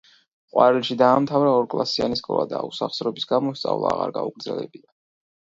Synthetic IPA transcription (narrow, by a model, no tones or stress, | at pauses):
qʼwaɾɛlʃid̪aːmt̪ʰavɾaɔɾkʼlˠasianiskʼɔ̰vad̪ausaχsɾɔbisɡamɔst̪sʼavlˠaːʁa̰ɾɡauɡɾdzɛlɛ̰bina